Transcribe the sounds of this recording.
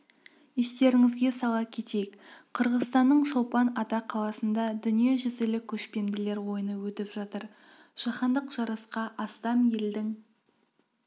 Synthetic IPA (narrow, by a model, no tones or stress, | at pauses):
ist̪e̞ɾɪŋɪzɡʲe̞sɑlˠɑkʲʰe̞t̪e̞jkqʰəɾʁəzst̪ɑnːəɴʃolˠpɑnɑt̪ɑqʰɑlˠɑsənd̪ɑd̪ʏnije̞ʒʏzɪlɪkʲʰɵʃpe̞nd̪ɪle̞ɾwo̞jənəwɵt̪ɪpʒ̥ɑt̪əɾ | ʒ̥ɑχɑnd̪əqʒ̥ɑɾɑsqɑʔɑst̪ɑmje̞ld̪ɪŋ